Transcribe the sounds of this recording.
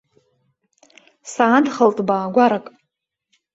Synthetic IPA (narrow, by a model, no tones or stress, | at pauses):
saːdχəltʼbaːɡʷaɾakʼ